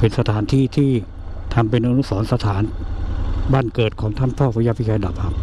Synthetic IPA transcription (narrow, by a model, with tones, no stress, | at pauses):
pʰe˩˦nsa˧t̪ʰaː˩˦nt̪ʰiː˥˩t̪ʰiː˥˩ | t̪ʰa˧mp̬e˧nʔa˧nu˦˥˩sɔː˩˦nsa˧t̪ʰaː˩˦n | baː˥˩nkɤː˨˩t̪̚kʰɔː˩˦ŋt̪ʰa˥˩npʰɔː˥˩pʰa˧ja˧˥pʰi˦˥t͡ɕʰaː˧da˨˩p̚kʰa˦˥p̚